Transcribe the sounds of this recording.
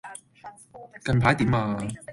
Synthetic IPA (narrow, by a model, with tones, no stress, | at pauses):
kɐ˧npʰaː˨˥jt̪iː˨˥maː˧